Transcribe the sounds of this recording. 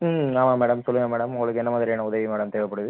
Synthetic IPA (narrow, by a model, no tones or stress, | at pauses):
maːmaːmeːɽɐmsɔlːɯŋɡɐmeːɽɐmʊŋɡɐɭɯkːɯɛnːɐmaːðɪɾijaːnɐʊðɐʋimeːɽɐmt̪eːʋɐpːɐɽɯðɯ